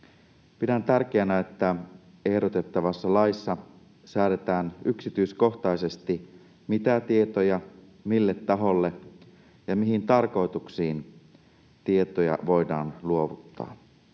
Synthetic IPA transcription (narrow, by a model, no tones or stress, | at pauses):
pidænt̪ærk̟eænæet̪ːæ | e̞hdo̞t̪e̞t̪ːɑʋɑsːɑlɑisːɑ | sæːɾet̪æːnyksit̪yisko̞xt̪ɑise̞st̪i | mit̪æt̪iet̪ojɑ | milːe̞t̪ːɑɦo̞lːe̞ | jɑmiɦint̪ɑrko̞jt̪uksiːn | t̪ie̞t̪ojɑ̰ʋo̞jdɑ̰ːnluo̞ʋut̪ːɑ̰ː